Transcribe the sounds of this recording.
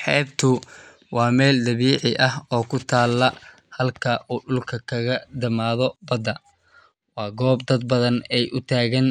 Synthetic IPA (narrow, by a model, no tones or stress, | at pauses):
ħɛːbt̪ʰʊ | wɑːmɛːld̪ɐβiːʕɪʔɐɦɔːkʰʊt̪ʰaːlːɐ | hɐlkʰɐʔuːɖʊlkʰɐkʰɐɣɐd̪ɐmaːðɔbɐd̪ɐ | wɑːɡɔːb̚d̪ɐd̪̚bɐðɐnɛjʔʊt̪ʰaːɣɐn